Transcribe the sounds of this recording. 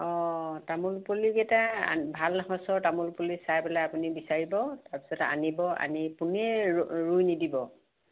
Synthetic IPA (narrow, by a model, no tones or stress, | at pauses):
ɔtamulpolikɛta̰bʱalaxasɔɹtamulpulisajbalaapunibisaɹibɔtaɹpi̥sɔta̰nibɔa̰nipunɛɹujnidibɔ